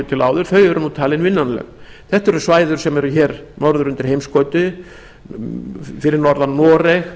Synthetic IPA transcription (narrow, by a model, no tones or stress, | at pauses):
ʏt̪ʰɪlaːwðʏɾ̥θœɾɥɛɾʏnut̪ʰaːlɪnvɪnːanlɛ̰ɣ | θɛht̪ɛɾʏsvaːjðʏɾ̥sɛmɛɾʏçɛːɾnɔɾðʏɾʏnt̪ɪɾ̥hejmskɔːt̪ʏ | fɪɾɪɾnɔɾðannːɔːɾɛx